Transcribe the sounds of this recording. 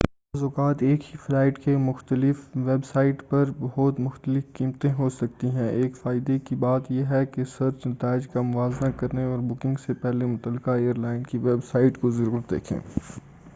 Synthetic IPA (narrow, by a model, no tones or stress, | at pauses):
azʊkaːt̪eːkhiflaːɪʈkemʊxt̪əlɪfʋeːbsaːɪʈpɐɾbɐɦɔːt̪mʊxt̪əlɪfkiːmt̪ẽɦosɐk̚t̪iɦɛ̃ʔeːkfaːɪd̪ekibaːt̪jeɦɛkesɐɾt͡ʃnɐt̪aːɪd͡ʒkamʊʋaːznakɐɾneɔːɾbʊkɪ̃ŋɡsepɛɦlemʊt̪əlːkaeːəɾlaːɪnkiʋeːbsaːɪʈkozɐɾuːɾət̪̚d̪ḛːkʰḛ̃ː